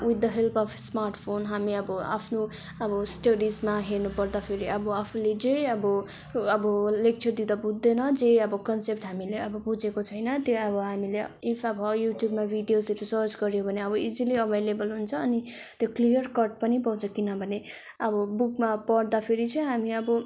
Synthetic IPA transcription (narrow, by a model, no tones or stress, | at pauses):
wid̪ːʌɦelpʰʌpʰsmarʈpʰonɦamiʌbʌa̰pʰno | ʌbʌsʈʌɽismaɦeɾnupʌɾd̪apʰeɾiʌbʌapʰuled͡zejʌbʌ | ʌbʌlek̚t͡sʰʌrd̪id̪abud̪ːenʌd͡zeʌbʌkʌnsep̚ʈɦamileʌbʌbud͡zekot͡sʰʌjnʌt̪joʌbʌɦamileipʰʌbʌjuʈjubmabʱiɖijoseɾisʌɾt͡sɡʌɾjobʱʌneʌbʌid͡ziliʌbʱejlebʌlɦunt͡sʰʌːnit̪joklijʌrkʌrʈ̚pʌnipʌw̃t͡sʰʌkinʌbʱʌne | ʌbʌbukmapʌɾd̪apʰeɾit͡sʰʌɦamiʌbʌ